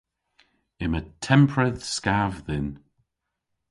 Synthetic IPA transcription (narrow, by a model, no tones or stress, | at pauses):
ɪmətʰɛmpʰɹəðskavðɪn